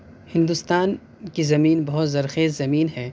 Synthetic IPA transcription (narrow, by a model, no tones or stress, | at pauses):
hɪ̃nd̪ʊst̪aːn | kizɐmiːnbɐɦʊt̪zɐɾxeːzzɐmiːnɦɛː